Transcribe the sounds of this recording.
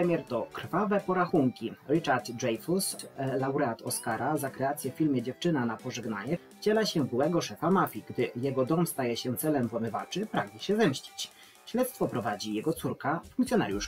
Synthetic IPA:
ɾɛmʲjɛɾt̪ɔkɾ̥favɛpɔɾaxuŋkʲiɾɘt͡ʂaɾt̪ʐɛjfuslawɾɛat̪ɔskaɾazakɾɛat̪sʲjɛffʲilmʲjɛd͡ʑɛft͡ʂɘnanapɔʐɛɡna̰ɲɛft͡ɕɛlaɕɛɡɘwɛɡɔʂɛfamafʲiɡd̪ɘjɛɡɔd̪ɔmst̪ajɛɕɛt̪sɛlɛmvwɔmɘva̰t͡ʂɘpɾaɡɲɛɕɛvɛmɕt͡ɕi̥t͡ɕ | ɕlɛt̪st̪fɔpɾɔvad͡ʑijɛɡɔt̪suɾkafuŋkt̪sʲjɔna̰ɾʲjuʂ

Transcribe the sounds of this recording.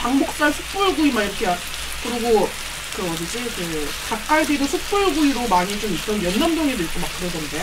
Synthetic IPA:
paŋbok̚s͈aɭsʰu̥k̚p͈oɭɡuimaiɾʌkʰea | kɯɾiɡo | kɯʌdid͡ʑikɯ | kak̚k͈aɭdidosʰuk̚p͈oɭɡuiɾomaɲit͡ɕomit̚t͈ʌnjʌnːamdʌŋedɯiɭk͈omak͈ɯɾʌɡʌnde̞

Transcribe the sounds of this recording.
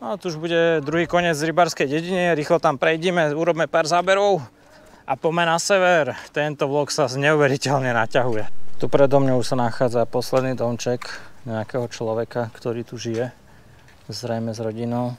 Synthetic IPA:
nat̪uuʒbuɟɛd̪ɾuɦiːkɔɲɪɛd͡zɾibaːɾskɛjɟɛɟiniɾiːxlɔt̪ampɾɛjɟɛmɛuːɾɔbmɛpaːɾzaːbɛɾɔʊ | apɔmɛnasɛʋɛɾt̪ɛnt̪ɔʋlɔksazɲɛuʋɛɾicɛʎɲɛnacaɦujɛt̪upɾɛd̪ɔmɲɔuʃsanaxaːd͡zapɔslɛd̪niːd̪ɔmt͡ʃɛkɲɛakɛɦɔt͡ʃlɔʋɛkakt̪ɔɾiːt̪uʒijɛ | zɾɛjmɛzɾɔɟinɔʊ

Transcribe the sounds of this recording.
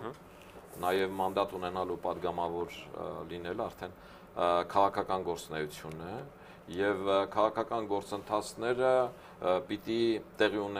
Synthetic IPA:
nɑjɛvmɑnd̪ɑt̪unɛnɑlupɑd̪ɡɑmɑvɔɾlinɛlɑɾt̪ʰɛn | kʰɑʁɑkʰɑkɑnɡɔɾt͡snɛjut͡sʰjunə | jɛvkʰɑʁɑkʰɑkɑnɡɔɾt͡sənt̪ʰɑt͡sʰnɛɾə | pit̪it̪ɛʁiunɛ

